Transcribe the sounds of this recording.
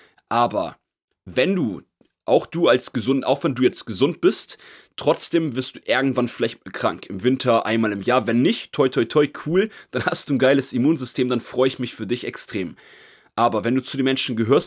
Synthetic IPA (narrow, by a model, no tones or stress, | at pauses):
ʔaːbɐ̰ | vɛnduː | ʔaʊxd̥uːalsɡ̥əzʊntʔa̰ʊxv̥ɛnduːjɛt͡stɡ̥əzʊnt̚b̥ɪsttːʁ̥ɔt͡sd̥eːmvɪɐstd̥uːʔɪɐɡŋ̩tv̥anfɪlaɪçtkʁ̥a̰ŋkɪmvɪntʰɐʔa̰ɪnmaːlɪmjaːɐvɛnːɪçttʰːɔʏtʰɔʏtʰɔʏkʰuːld̥anhastd̥uːnɡaɪləsimuːnzʏstʰeːmdanfʁ̥ɔʏəɪçmɪçfyːɐdɪçɛkstʁ̥eːm | ʔaːbɐvɛnduːt͡sudeːmɛnʃn̩ɡəɦøːɐs